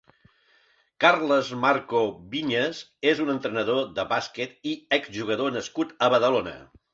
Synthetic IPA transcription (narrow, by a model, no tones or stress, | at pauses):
karləzmaɾkoβiɲəzezunənt̪ɾənəðoðəβaskɛt̪iɛkzʒuɣ̞əðonəskut̪əβəðəlonə̰